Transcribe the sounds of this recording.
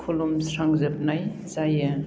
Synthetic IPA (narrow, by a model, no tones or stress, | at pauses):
pʰulumsɾaŋzɯp̚naj | zaja